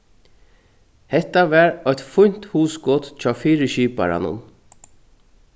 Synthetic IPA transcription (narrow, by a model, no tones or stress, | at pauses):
hɛt̪aʋæɹɔjt̪fʊɲ̥t̪huːskɔt̪t͡ʃʰaːfiːɾəʃiːpa̰ɾa̰nʊ̰n